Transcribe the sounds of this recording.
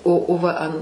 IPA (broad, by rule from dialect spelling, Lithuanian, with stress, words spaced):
oː oː ˈʋɐ ɐn